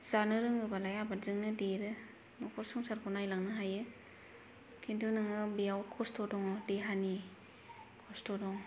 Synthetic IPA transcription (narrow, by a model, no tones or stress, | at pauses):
z̥anɯɾɯŋɯbalajabazɯŋnɯdeɾɯ | nɔkʰɔɾsuŋsaɾkʰɔnajlaŋnɯɦajɯ | kʰindunɯŋɯbijawkʰɔstɔdɔŋɔdeɦani | kʰɔstɔdɔŋ